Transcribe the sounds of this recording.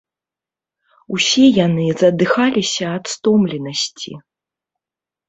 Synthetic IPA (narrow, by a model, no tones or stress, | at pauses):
usʲɛjanɨzɐd̪ɨxalʲisʲɐːt̪st̪ɔmlʲinɐsʲt͡sʲḭ